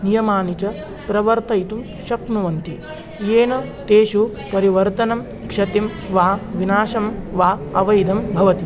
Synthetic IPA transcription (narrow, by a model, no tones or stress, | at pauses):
nijɐmaːnit͡ʃɐ | pɾɐʋɐɾt̪ɐjt̪um | ʃɐknuʋɐnt̪i | jeːnɐt̪eːʃupɐɾiʋɐɾt̪ɐnɐm | kʂɐt̪im | ʋaːʋinaːʃɐmʋaːɐʋɐjd̪ʱɐmbʱɐʋɐt̪i